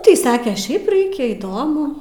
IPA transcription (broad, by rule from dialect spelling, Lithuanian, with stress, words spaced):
ˈtɐɪ ˈsɑːkʲɛ ˈʃʲɛɪp ˈrɐɪkʲɛ iːˈdoːmʊ